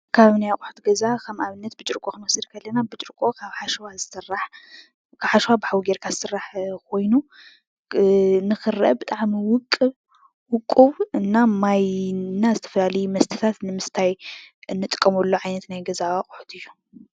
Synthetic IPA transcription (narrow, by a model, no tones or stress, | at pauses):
kʰaβnajakʼʊħu̥t̪ɡɐzakʰɐmʔaβɨnːɐt̪̚bɨt͡ʃʼɨɾkʼoxɨnwɐsɨɾkʰɐlːɐnabɨt͡ʃʼɨɾkʼo̞kʰaβħaʃwazɨsɨrːaħ | kʰaβħaʃwabɨħawɡeɾkʰazɨsɨrːaħkʰo̞jnu | nɨxɨrɐ̰bɨt̪ʼaʕmiwʊkʼːɨβ | wʊkʼːuβɨnːamajnːazɨt̪ʰɐfɐlalɐjumɐst̪ʰɨ̥t̪ʰat̪nɨmɨst̪ʰajɨnːɨt̪ʼɨ̥kʼːɐmulːoʕajnɐt̪najɡɐzaaχʼuħu̥t̪ʰɨjːu